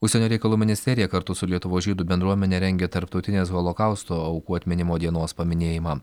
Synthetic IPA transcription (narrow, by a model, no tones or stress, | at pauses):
ʊʃʲsʲɛnʲoːɾʲɛɪkɐlˠuːmʲɪnʲɪsʲt̪ʲɛɾʲɪjɛkɐɾt̪ʊsʊlʲiɛt̪ʊʋoːsʒʲiːd̪uːbʲɛnd̪ɾuɔmʲɛnʲeɾʲɛŋʲɡʲɛt̪ɐɾpt̪ɒʊt̪ʲɪnʲeːs̬ɣɐlˠokɑˑʊst̪oːɐʊkuːɐt̪ʲmʲɪnʲɪmoːd̪ʲiɛnoːspɐmʲɪnʲeːjɪmɑː